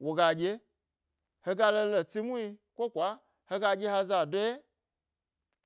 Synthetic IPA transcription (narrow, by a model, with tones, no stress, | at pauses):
wo˨ɡaː˨d͡ʒe˦ | hə˧ɡa˧˦lə˧lə˨ti˦mũ˦ĩ˧kʷo˦˨kʷa˨˦ | hə˧ɡaː˧˦je˦ha˧zaː˨dɔ˦ɛ˦